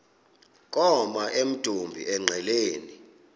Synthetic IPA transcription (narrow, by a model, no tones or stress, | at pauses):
k̬ʼɔmaʔem̩d̥ʼʱumbʱḭʔɛŋ͡ǀʱɛleːni